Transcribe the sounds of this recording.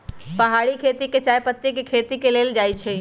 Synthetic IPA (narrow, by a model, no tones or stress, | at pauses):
pəɦaɽikʰet̪iket͡ʃajpət̪ːekekʰet̪ikeleld͡ʒajt͡ʃʰɛ